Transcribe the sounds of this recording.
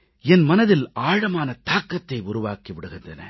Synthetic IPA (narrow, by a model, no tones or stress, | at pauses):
ɛnmɐnɐðɪlaːɻɐmaːnɐt̪aːkːɐt̪ːɐɪʊɾʊʋa̰ːkiʋɪɽɯɣɪndrɐnɐ̰